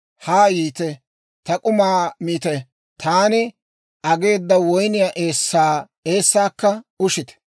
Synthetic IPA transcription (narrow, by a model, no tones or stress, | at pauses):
haːjiːt̪ɛ | t̪ɐkʼʊmaːmiːt̪ɛ | t̪ʰaːnɪ | ʔɐɡe̞ːd̪ːɐwɔjnɪjaːʔe̞ːsːaː | e̞ːsːaːkːɐʊʃɪt̪ɛ̥